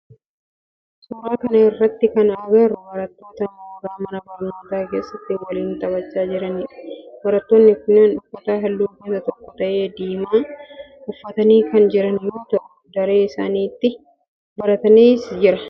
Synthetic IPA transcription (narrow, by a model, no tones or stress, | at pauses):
suːɾaːkɐnɐɪrːɐt̪ːɪkɐnɐɡɐrʊwɐɾɐt̪ːo̞ːt̪ɐnɐɡaːmɐnɐbɐɾɐnoːt̪aːke̞ːsːɐt̪ːɪwɐliːnt̪ɐβɐt͡ʃːaːd͡ʒɪɾɐnɪᶑɐ̥wɐɾɐt̪ːoːnːɪkʊnaːnʊfːɐt̪aːɦɐlːuːbɐt̪ɐt̪ɔkːɔt̪ɐʔe̞ːd̪iːmaː | ʔʊfːɐt̪ɐniːkɐnd͡ʒɪɾɐnjuːt̪ʊʔʊd̪ɐɾe̞ːɪsaːniːt̪ːɪ | bɐɾɐt̪ɐniːsd͡ʒɪɾɐ